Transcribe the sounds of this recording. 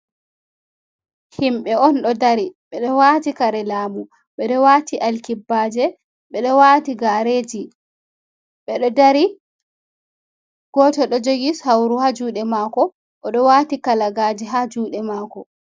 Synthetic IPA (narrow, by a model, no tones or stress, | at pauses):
himɓɛɔnɗɔdaɾiɓɛɗɔwaːtikaɾɛlaːmu | ɓɛɗɔwatiʔalkibːaːd͡ʒɛ | ɓɛɗɔwaːtiɡaɾeːd͡ʒi | ɓɛɗɔdaɾi | ɡ̥ɔtɔɗɔd͡ʒoɡishawɾuhad͡ʒuːɗɛmaːkɔ | ʔɔɗɔwaːtikalaɡaːd͡ʒiɦad͡ʒuːɗɛmaːkɔ